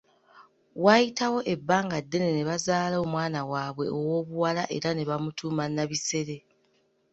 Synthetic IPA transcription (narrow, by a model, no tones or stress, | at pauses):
wajitawo̞ʔe̞bːaːŋɡadːe̞ne̞ne̞βazaːlooːmwaːnawaːβwe̞̰ʔowo̞ːβuwalaʔe̞̰ɾane̞βamutuːmanːaβise̞ɾe̞